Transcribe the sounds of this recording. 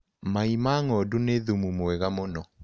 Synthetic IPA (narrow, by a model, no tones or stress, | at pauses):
maimaːŋɔduneðumumoɛɣamonɔ